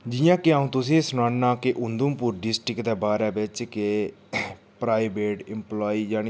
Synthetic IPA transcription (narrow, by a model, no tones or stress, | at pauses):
d͡ʒɪjãːkɪãːũːt̪ʊs̬ĩːsʊñaːnãːkeʔʊnd̪ʊmpʊːɾɖɪsʈɪkd̪eːbaːɾɛːbɪt͡ʃke | pɾaːɪbeːʈɪmplaːiːd͡ʒaːni